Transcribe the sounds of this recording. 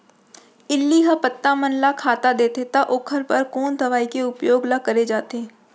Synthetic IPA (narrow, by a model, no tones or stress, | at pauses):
ɪlːiɦɐpət̪ːamənlakʰaːt̪ad̪eːt̪et̪aʔoːkʰəɾpɐɾkoːnd̪ʱɐʋaːikeʊpjoːɡlakɐɾed͡ʒaːt̪eː